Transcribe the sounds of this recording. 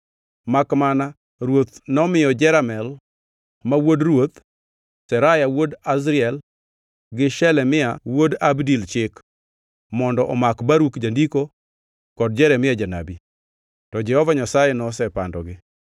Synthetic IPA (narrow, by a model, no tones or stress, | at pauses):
makmana | ɾwot̪nɔmɪjɔd͡ʒɛɾamɛl | mawodɾwot̪ | sɛɾajawodas̬ɾɪɛl | ɡɪʃɛlɛmɪawodabdilt͡ʃɪk | mɔndɔʔɔmakbaɾukd͡ʒandiko | kɔd̚d͡ʒɛɾɛmɪad͡ʒana̰bi | tɔd͡ʒɛhɔvaɲasajɛnɔsɛpa̰ndɔɡɪ